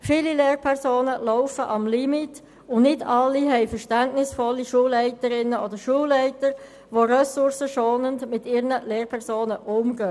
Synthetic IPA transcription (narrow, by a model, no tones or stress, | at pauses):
fiːlileːɾpʰɛʁsoːnəlɔʊfəʔɑmlimɪt | ʊnnɪdɑlːiɦɛɪfəɾʃtɛntnɪsfɔlːiʃuːlːɛɪtəɾɪnːəodəɾʃuːlːɛɪtəɾ | ʋoɾœsʊɾsəʃoːnəndmɪtɪɾnəleːrpʰɛʁsoːnəʔʊmɡøː